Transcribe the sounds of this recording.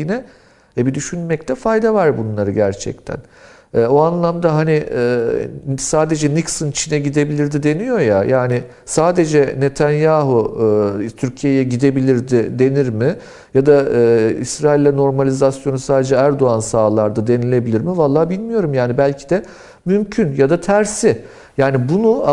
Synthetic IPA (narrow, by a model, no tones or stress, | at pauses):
inɛ | vɛbid̪yʃynmɛct̪ʰɛfajd̪avaɾbunlˠaɾɯɟæɾt͡ʃʰɛ̰c̚t̪ʰæ̰n | ɛːoanlˠamd̪aɦanɪɛːsaːd̪e̞d͡ʒɛniksɯnt͡ʃʰinɛɟid̪e̞bilʲiɾd̪id̪e̞nijo̞jajaːnɪ | saːd̪e̞d͡ʒɛne̞t̪ʰanjaːɦu | t̪ʰyɾcʰijejɛɟid̪e̞bilʲiɾd̪ɪd̪e̞niɾmɪ | jad̪aɯːisɾaːilʲːɛno̞ɾmalʲizasjo̞nusaːd̪e̞d͡ʒɛæɾd̪o̞ansaːlˠaɾd̪ad̪e̞nilʲe̞bilʲiɾmivalˠːaːbilʲmijo̞ɾumjaːnibælʲcʰi̥d̪ɛ | mymcʰynjad̪at̪ʰæɾsɪ | jaːnibunua